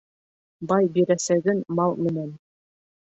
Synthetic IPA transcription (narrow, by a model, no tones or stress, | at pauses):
bɑjbiɾæsæɡɘnmɑlˠmɘ̆næn